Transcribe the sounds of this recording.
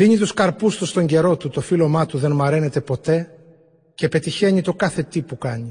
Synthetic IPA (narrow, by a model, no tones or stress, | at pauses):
ðiɲit̪uskɐɾpust̪ust̪o̞ɲɟe̞ɾo̞t̪ut̪o̞filo̞mɐt̪uðe̞nmɐɾe̞ne̞t̪e̞po̞t̪e̞ | ce̞pe̞t̪içe̞ɲit̪o̞kɐθe̞t̪ipukɐɲi